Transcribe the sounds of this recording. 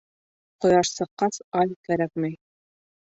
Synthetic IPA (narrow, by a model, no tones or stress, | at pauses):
qŏjɑʃsɤ̆qːɑsɑlʲkæɾæk̚mɘj